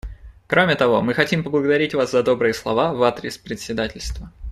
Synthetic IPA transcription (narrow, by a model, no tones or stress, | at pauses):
kɾo̞mʲɪt̪ɐvo̞mɨxɐtʲimpəblˠəɡəd̪ɐɾʲitʲvaszɐd̪o̞bɾɨjəslˠɐvavat̪ɾʲɪspɾʲɪt̪ʲsʲɪd̪atʲɪlʲst̪və